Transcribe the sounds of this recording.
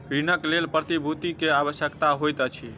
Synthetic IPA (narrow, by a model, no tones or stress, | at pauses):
ɾinəklelpɾət̪ibʱut̪ikeaβəsjəkt̪aɦojt̪ət͡ʃʰi